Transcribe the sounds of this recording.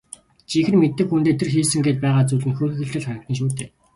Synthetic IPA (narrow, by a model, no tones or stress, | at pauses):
t͡ɕʰixɘ̆nmet̪ːɘ̆xunt̪eːt̪ʰĕrxiːsɘ̆ŋɡeːt̪̚pæːʁaːt͡suɮɘ̆nxɵːxɘ̆xɘ̆ɬt̪ɘ̆ɮχaɾʲə̆k̚t̪ə̆nʃ̬uːt̪eː